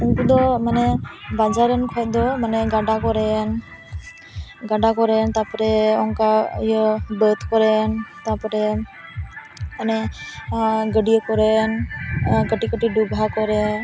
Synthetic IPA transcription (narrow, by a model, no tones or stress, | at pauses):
uŋkud̪ɔmanɛbad͡ʒaɾənkʰɔjt̪̚d̪ɔmanɛɡaɖakɔɾɛn | ɡaɖakɔɾɛnt̪apɔɾɛɔŋka̰jəbət̪kɔɾɛnt̪apɔɾɛ | manɛ | ɡəɖijəkɔɾɛn | ɡəʈikəʈiɖubɦakɔɾɛ